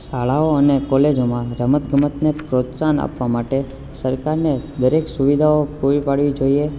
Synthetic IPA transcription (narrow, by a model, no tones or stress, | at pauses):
saɭaoənekɔled͡ʒomãɾəmət̪ɡʱəmət̪nepɾot̪sana̰pʋamaʈe | səɾkaɾned̪əɾeksuʋid̪ʱaopuɾipaɽʋid͡ʒoie